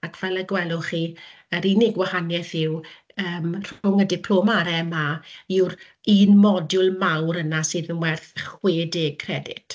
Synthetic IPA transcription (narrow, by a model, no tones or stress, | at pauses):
akʰv̥ɛlˠɛɡwɛlˠʊχi | əɾinɪɡwahanjɛθɪw | əːmr̥ʊŋədɪpʰl̥omaɾɛmaiwɾ | iːnmɔdjʊlˠmawɾənasɨðənwɛrθχweːdekʰrɛdɪ̰tʰ